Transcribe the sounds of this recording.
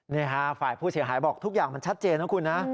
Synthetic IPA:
niː˥˩kʰa˦˥faː˨˩jpʰuː˥˩si˩˦ɦaː˩˦jbɔː˨˩k̚t̪ʰu˦˥k̚jaː˨˩ŋma˧nt͡ɕʰa˦˥t̪̚t͡ɕeː˧nː˦˥kʰu˧nːa˦˥

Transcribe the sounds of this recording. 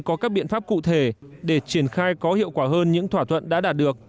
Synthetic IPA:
kɔ˨˦kaː˦˥k̚ɓḭ˧˨ənfaː˦˥p̚kṵ˧˨t̪ʰe˧˩ɗe˧˩t͡ɕi˧˩ənxaː˧jkɔ˨˦hḭ˧˨əwkwaː˧˩ɦəː˧nɲɨ̰˧˥ŋt̪ʰwaː˧˩t̪ʰwə̰˧˨nɗa̰ː˧˥ɗaː˨˩t̚ɗɨ˨˩ək̚

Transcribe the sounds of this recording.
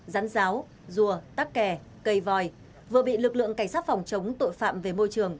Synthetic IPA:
zaː˨˦nzaː˨˦w | zu˨˩ət̪aː˦˥k̚kɛ˨˩ | kə˧˩jvɔ˨˩j | vɨ˨˩əɓḭ˧˨lɨ˨˩k̚lɨ̰˧˨əŋka˧˩ŋ̟saː˦˥t̚fa˨˩wŋ͡mt͡ɕə˨˦wŋ͡mt̪o̰˧˨jfa̰ː˧˨mve˨˩mo˧jt͡ɕɨ˨˩əŋ

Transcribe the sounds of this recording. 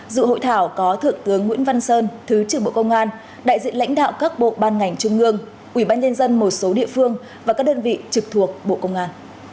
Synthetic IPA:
zɨ̰˧˨ho̰˧˨jt̪ʰaː˧˩wkɔ˨˦t̪ʰɨ˨˩əŋt̪ɨ˨˦əŋːw̰ənva˧nsəː˧nt̪ʰɨ˨˦t͡ɕɨ˨˧˩ɓo̰˧˨kə˧wŋ͡mʔaː˧n | ɗa̰ː˧˨jzḭ˧˨la̰˧˥jŋ̟ɗa̰ː˧˨wkaː˦˥k̚ɓo̰˧˨ɓaː˧nŋa˨˩jŋ̟t͡ɕʊ˧ŋ͡mʔɨ˧əŋ | ʔwi˧˩ɓaː˧nɲə˧nzə˧nmo˨˩t̚so˨˦ɗḭ˧˨əfɨ˧əŋ | vaː˨˩kaː˦˥k̚ɗəː˧nvḭ˧˨t͡ɕɨ˨˩k̚t̪ʰu˨˩ək̚ɓo̰˧˨kə˧wŋ͡mʔaː˧n

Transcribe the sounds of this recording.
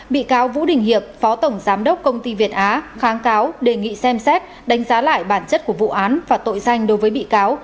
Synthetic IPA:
ɓḭ˧˨kaː˨˦wvṵ˧˥ɗï˨˩ŋ̟hi˧˨əp̚fɔ˨˦t̪ə˧˩wŋ͡mzaː˨˦mɗə˦˥wk͡p̚kə˧wŋ͡mt̪i˧vi˨˩ət̚ʔaː˨˦xaː˨˦ŋkaː˨˦wɗe˨˩ŋḭ˧˨sɛ˧msɛ˦˥t̚ | ɗa˨˦ŋ̟zaː˨˦la̰ː˧˨jɓaː˧˩nt͡ɕə˦˥t̚ku˧˩əvṵ˧˨ʔaː˨˦nvaː˨˩t̪o̰˧˨jza˧jŋ̟ɗo˨˦jvəː˨˦jɓḭ˧˨kaː˨˦w

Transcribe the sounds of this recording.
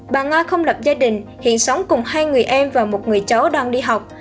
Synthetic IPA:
ɓaː˨˩ŋaː˧xə˧wŋ͡mlə˨˩p̚zaː˧ɗï˨˩ŋ̟hḭ˧˨ənsa˨˦wŋ͡mkʊ˨˩ŋ͡mhaː˧jŋɨ˨˩əjʔɛ˧mvaː˨˩mo˨˩t̚ŋɨ˨˩əjt͡ɕə˨˦wɗaː˧ŋɗi˧ɦa˨˩wk͡p̚

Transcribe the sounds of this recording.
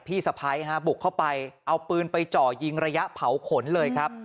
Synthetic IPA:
p̪ʰiː˥˩sa˧pʰaː˧jɦa˦˥bu˨˩kʰːa˥˩wpa˧jʔa˧wpɯː˧npa˧jt͡ɕɔː˨˩ji˧ŋɾa˧ja˦˥ʔpʰa˩˦wkʰo˩˦nlɤː˧jkʰɾa˦˥p̚

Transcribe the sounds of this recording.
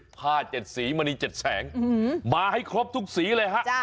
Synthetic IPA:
pʰaː˥˩t͡ɕe˨˩t̪̚siː˩˦maː˧niː˧t͡ɕe˨˩t̪̚sɛː˩˦ŋmaː˧ha˥˩jkʰɾo˦˥p̚t̪ʰu˦˥k̚siː˨˩˦lɤː˧jɦa˦˥ʔ

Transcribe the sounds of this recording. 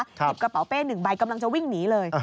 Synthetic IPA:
k̚ʰt͡ɕi˨˩p̚ka˧pa˩˦wpeː˥˩nɯ˨˩ŋba˧jka˧mla˧ŋt͡ɕa˧wi˥˩ŋniː˩˦lɤː˧j

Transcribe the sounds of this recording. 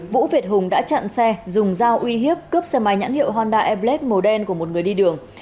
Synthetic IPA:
vṵ˧˥vi˨˩ət̚hʊ˨˩ŋ͡mɗa̰ː˧˥t͡ɕə̰˧˨nsɛ˧zʊ˨˩ŋ͡mzaː˧wʔwi˧ɦi˦˥əp̚kə˦˥p̚sɛ˧ma˨˩jɲa̰˧˥nhḭ˧˨wɦɔː˧nɗaː˧ʔɛ˧p̚le˦˥t̚mo˨˩ɗɛ˧nku˧˩əmo˨˩t̚ŋɨ˨˩əjɗi˧ɗɨ˨˩əŋ

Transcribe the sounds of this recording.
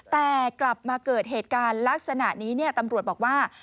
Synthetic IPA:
t̪ɛː˨˩kla˨˩p̚maː˧kɤː˨˩t̪̚ɦeː˨˩t̪̚kaː˧nla˦˥k̚sa˧na˨˩ʔniː˦˥ni˥˩ət̪a˧mɾu˨˩t̪̚bɔː˨˩k̚waː˥˩

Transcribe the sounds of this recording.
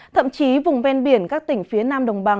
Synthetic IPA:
t̪ʰə̰˧˨mt͡ɕi˨˦vʊ˨˩ŋ͡mvɛ˧nɓi˧˩ənkaː˦˥k̚t̪ï˧˩ŋ̟fi˨˦ənaː˧mɗə˨˩wŋ͡mɓa˨˩

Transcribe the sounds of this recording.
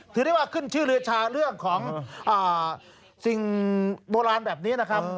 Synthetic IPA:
t̪ʰɯː˨˦da˥˩jwaː˧˥˩kʰɯ˥˩nt͡ɕʰɯː˥˩ɾɯ˧ɐt͡ɕʰaː˧ɾɯ˥˩əŋkʰɔː˩˦ŋʔaː˨˩ | si˨˩ŋboː˧ɾaː˧nbɛː˨˩p̚niː˦˥na˦˥kʰa˦˥p

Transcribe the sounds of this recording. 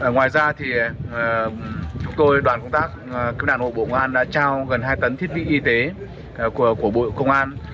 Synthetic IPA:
ŋwaː˨˩jzaː˧t̪ʰi˨˩˨ | t͡ɕʊ˨˦ŋ͡mt̪o˧jɗwaː˨˩nkə˧wŋ͡mt̪aː˦˥k̚ki˧˦˥p̚ɗa̰˧˨nɓo̰˧˨ɓo̰˧˨kə˧ŋ͡mʔaː˧nɗa̰ː˧˥t͡ɕaː˧wɣə˨˩nɦaː˧jt̪ə˨˦nt̪ʰi˦˥t̚ɓḭ˧˨ʔi˧t̪e˨˦˨ | kəku˧˩əɓo̰˧˨kə˧wŋ͡mʔaː˧n

